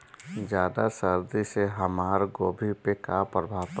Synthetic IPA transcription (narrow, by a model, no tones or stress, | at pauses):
d͡ʒjaːd̪asəɾd̪iseɦəmaːɾɡoːbʱipekapɾəbʱaːp